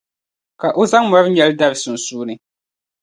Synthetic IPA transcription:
ka˨ʔʊ˦za˦ŋm˨ɔ˨˦ɾɲɛ˦lda˦bsʊ˨n̩˨suː˦nɨ˦

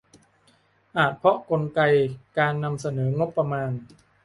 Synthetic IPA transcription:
ʔaː˨˩t̪̚pʰɾɔ˦˥ko˧nka˧jkaː˧nːa˧msa˧nɤː˩˦ŋo˦˥pːa˧maː˧n

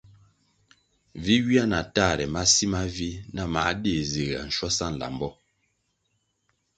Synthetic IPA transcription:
vi˦wi˦a˦na˨ta˦˨ɾɛ˨ma˦si˦ma˦vi˦na˦˨ma˨˦de˦˨ze˨ɣa̰˨n̩˨ʃwɔ˦sa˦˨n̩˨la̰˨m˨bɔ˦

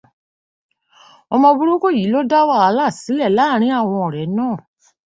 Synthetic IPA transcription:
ɔ˧mɔ̃˧bu˦ɾo˦ko˦ji˨˦lo˦da˦wa˦˨a˨˧˦la˦˨si˨˦lɛ˦˨laː˦˨ɾ̃ĩ˦a˦˨w̃ɔ̃˧ɔ˨ɾɛ˨˦nãː˦˨

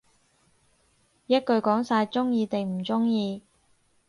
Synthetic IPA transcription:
jɐ˥t̚kɵ˧ɥkɔː˨˥ŋsaː˧jt͡sʊ˥ŋjiː˧t̪e˨jm̩˨˩t͡sʊ˥ŋjiː˧

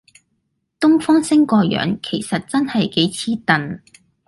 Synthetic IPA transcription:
t̪ʊ˥ŋfɔː˥ŋsɪ˥ŋkɔː˧jœ̰ː˨˥ŋkʰe˨˩jsɐ˨t̚t͡sɐ˥nhɐ˨jke˨˥jt͡sʰiː˥t̪ɐ˨n

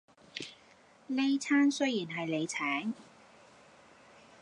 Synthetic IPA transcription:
le˥jt͡sʰaː˥nsɵ˥jiː˨˩nɦɐ˨jle˨˧jt͡sʰɛː˨˥ŋ

